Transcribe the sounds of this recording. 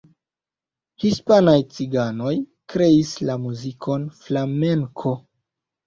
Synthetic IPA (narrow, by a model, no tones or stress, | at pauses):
hispanajt͡siɡano̞jkɾe̞islamuzikʰo̞nflame̞ŋkʰo̞